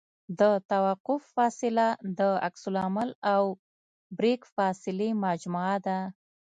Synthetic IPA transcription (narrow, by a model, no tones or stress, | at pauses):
d̪ət̪awaqʊfːɑsɪlad̪əa̰ksʊlamalaw | bɾekfɑsɪlemad͡ʒmuad̪a